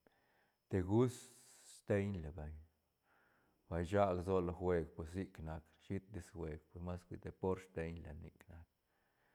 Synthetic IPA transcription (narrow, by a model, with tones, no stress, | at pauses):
t̪e˨˧ɡu˦s | st̪e˦ɲle˨ba˨ɲ | b̥a˨jʃa˦ɡzo˧lo˧xwe˧ɡpwe˨s̬i˦kna˧k | ʃi˦t̪̚d̪i˧sxwʷe˨ɡpe˨sma˦skʷḭ˧t̪e˨po˦ɾst̪e˧ɲla̰˨nḭ˧kna˧k̚